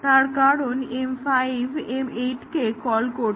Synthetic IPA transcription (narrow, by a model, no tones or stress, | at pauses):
t̪aɾkaɽonemfajʋʱemeʈkekɔlkoɾ